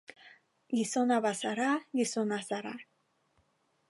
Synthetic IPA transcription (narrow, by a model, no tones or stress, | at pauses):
jisonabasaɾajisonasaɾa̰